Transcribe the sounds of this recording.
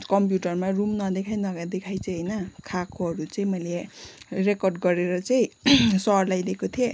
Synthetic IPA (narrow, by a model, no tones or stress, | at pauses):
kʌmp̬juʈʌrmarumnʌd̪ekʰajnʌɡad̪ekʰajt͡sʌɦʌjnʌkʰakoɦʌɾut͡saĩmʌjlerekʌrɖɡʌɾeɾʌt͡saĩsʌrlajd̪ekot̪ʰije